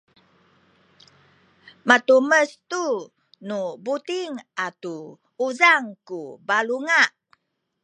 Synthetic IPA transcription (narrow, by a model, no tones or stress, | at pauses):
mat̪uməst̪u | nubut̪iŋat̪u | uzaŋkubaluŋaʔ